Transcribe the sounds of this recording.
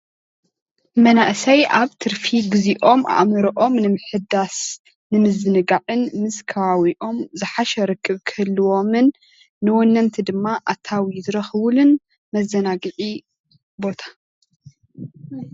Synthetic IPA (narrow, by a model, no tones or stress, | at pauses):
mɐnaʔsɐjʔaβt̪ʰɨɾfiɡɨziʔo̞ma̰ʔmɨɾɐʔo̞mnɨmɨħɨd̪as | nɨmɨzɨnɨɡaʕɨnmɨskʰɐβawiʔo̞mzɨħaʃɛɾɨkʰʼːɨβkʰɨɨlːɨwo̞mɨnː | ɨwɔnːɐnt̪ʰid̪ɨmːaʔat̪ʰːawizɨɾɐxɨβulɨn | mɐzɐnaɡɨʕi | bo̞t̪ʰḁ